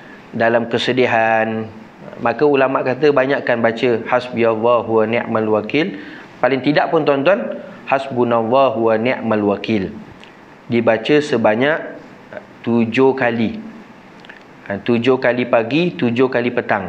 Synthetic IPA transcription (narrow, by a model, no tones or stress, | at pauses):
dalamkəsədiɦan | mãkəulamaʔkat̪əbaɲaʔkanbat͡ʃəhasbijaðaɦuwanɛʔmãlwakɪl | palɪŋt̪idaʔpʊnt̪ant̪̬wanhasbunãðaɦuwanɛʔmãlwakɪl | dibat͡ʃəsəbaɲaʔ | t̪ud͡ʒokali | t̪ud͡ʒokalipaɡit̪ud͡ʒokalipət̪aŋ